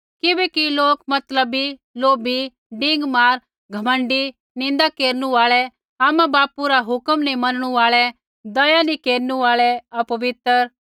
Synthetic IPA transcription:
kɪbɛkiloːkmɐt̪ləbiloːbi | ɖɪ̃ŋɡmaːɾ | ɡʱɐmə̃ɳɖi | nɪ̃nd̪akeːɾnũaːɭɛ | aːmãbaːpuɾaɦʊkəmnimɐnɽ̃ũaːɭɛ | d̪ɐjanikeːɾnũaːɭɛɐpɐʋɪt̪ɾəɾ

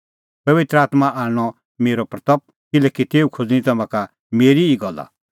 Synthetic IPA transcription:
pɐʋɪt̪ɾəaːt̪maʔaːɽ̃ɔ | meːɾɔpɾɐt̪ɐp̚ | kɪlɛːkit̪eːukʰod͡zñĩt̪ɐmãka | meːɾiːɡɔlːa̰

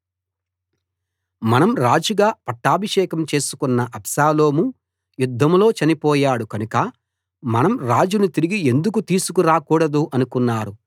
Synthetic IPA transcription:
mɐnɐmɾaːd͡ʒuɡaːpɐʈːaːbʱɐʂɛːkɐmt͡ʃe̞ːsu̥kunːɐʔɐpʃaːlo̞ːmu | jud̪ʱːɐmlo̞ːt͡ʃɐnipɔːjaːɽukɐnukɐ | mɐnɐmɾaːd͡ʒunut̪iɾiɡie̞nd̪uk̬ut̪iːsukuɾaːkuːɽɐd̪uʔɐnukunːaːɾu

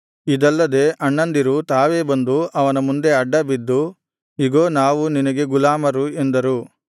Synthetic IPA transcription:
id̪ɐlːɐd̪e̞ːʔɐɳːɐnd̪iɾut̪aːʋe̞ːbɐnd̪uɐʋɐnɐmund̪e̞ɐɖːɐbid̪ːu | iɡo̞ːnaːʋuninɐɡe̞ɡulaːmɐɾuend̪ɐɾu

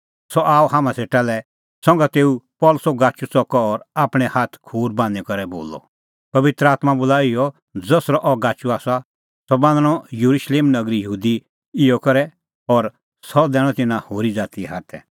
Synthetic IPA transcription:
sɔʔaːɔhaːmãseːʈalɛ | sɔ̃ŋɡat̪eːupɔːlʊsɔɡaːt͡ʃut͡sɔkɔːɾaːpɽ̃ɛhaːt̪ʰkʰuːɾbãːnd̪ɛkɔɾɛbo̰ːlɔ̰ | pɐʋɪt̪ɾəaːt̪mabʊlaːɪjɔ | d͡zɔsɾɔʔɔɡaːt͡ʃuaːsa | sɔbãːnd̪ɽ̃ɔjuɾuʃleːmnɐɡɾijəɦuːd̪i | ɪjɔkɔɾɛ | ɔɾ | sɔd̪ɛːɽ̃ɔ̃t̪ɪnãhoːɾid͡zaːt̪iɦaːt̪ʰɛ̰

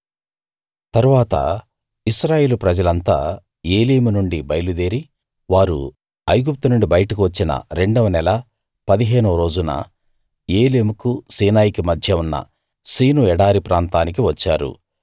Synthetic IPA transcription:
t̪ɐɾuʋaːt̪ɐ̰ | isɾaːje̞ːlupɾɐd͡ʒɐlɐnt̪a̰ː | e̞ːleːmunuɳɖibɐjlud̪eːɾi | ʋaːɾṵ | ɐjɡup̚t̪unuɳɖibɐjɐʈuk̬iʋɐt͡ʃːinɐ̰ɾe̞ɳɖɐʋɐnɛlɐ | pɐd̪iɦeːnuɾo̞ːd͡ʒunɐ̰ | eːleːmukusiːnaːjikimɐd̪ʱjɐunːɐ̰ | siːnuɛɽaːɾipɾaːnt̪aːnik̬iʋɐt͡ʃːa̰ːɾṵ

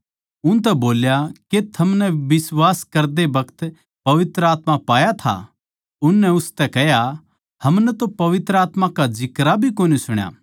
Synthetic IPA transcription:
ʊnt̪̬ɛboːljaket̪ʰɐmnɛʋɪswaːskɐɾd̪ebɐkʰt̪ | pɐʋɪt̪ɾəaːt̪mãpaːjat̪ʰa̰ | ʊnːɛʊst̪ɛkɛɦja | hɐmnɛt̪opɐʋɪt̪ɾəaːt̪mãkad͡ʒɪkɾabʱikoːnisʊɽ̃ja̰ː

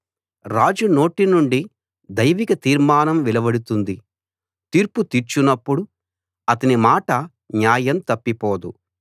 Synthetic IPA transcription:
ɾaːd͡ʒuno̞ːʈinuɳɖi | d̪ɐjʋikɐt̪iːɾmaːnɐmʋilɐbɐɽut̪und̪i | t̪iːɾput̪iɾt͡ʃunːɐpːuɽu | ɐt̪ɐnimaːʈɐ | ɲjaːjɐmt̪ɐpːipɔːd̪u

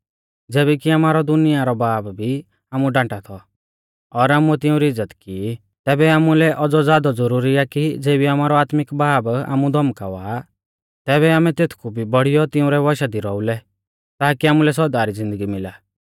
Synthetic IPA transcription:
d͡zɛːbɛkiamaːɾɔd̪ʊnɪjaɾɔbaːbbʱi | aːmuɖãːʈat̪ʰɔ | ɔɾaːmuɛt̪ɪũɾiɪd͡zːət̪ki | t̪ɛːbɛaːmulɛʔɔd͡zɔd͡zaːd̪ɔd͡zɔɾuːɾiakid͡zeːbiamaːɾɔaːt̪mɪkbaːba̰ːmud̪ʱɔmkaʋaː | t̪ɛːβɛaːmɛt̪eːt̪ʰkʰubʱibɐɽ̤ijɔt̪ɪʊ̃ɾɛʋɔʃad̪iɾɔulɛ | t̪aːkiaːmulɛsɔd̪aːɾid͡zɪ̃nd̪əɡimɪlaː

